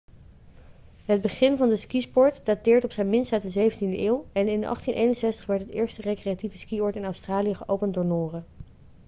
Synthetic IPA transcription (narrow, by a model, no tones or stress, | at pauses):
ɦəd̚bəχɪnvɑndəskispɔɹtdatɪːɹtɔpsɛjnmɪnstɛtdəzejvəntindəʔɪːlˠɛnɪnɑ̰χtinʔejnənsɛstə̥χʋɛɹtɦətɪːɹstərekrejativəskiɔɹtɪnɑwstraːlijəχəʔowpəndʊːɹnʊːrə